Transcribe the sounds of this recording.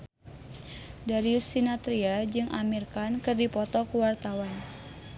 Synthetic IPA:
daɾiusinat̪ɾiad͡ʒɨŋʔa̰mirkankɨrdipɔt̪ɔkəwart̪awan

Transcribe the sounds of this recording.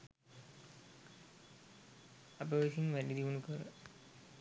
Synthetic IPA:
apəʋisinʋæɖid̪iʋunukəɾə̰

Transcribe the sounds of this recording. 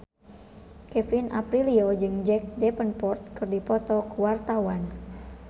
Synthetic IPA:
kɛfinʔa̰pɾiliod͡ʒɨŋd͡ʒɛk̚dɛpənpɔrt̪̚kɨrdipɔt̪ɔkəwart̪awan

